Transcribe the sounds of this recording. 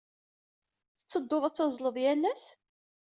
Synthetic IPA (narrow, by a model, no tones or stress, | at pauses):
θə̥t͡sːəd̪ːoðˤæt͡sːɑzˤləðˤjælːæs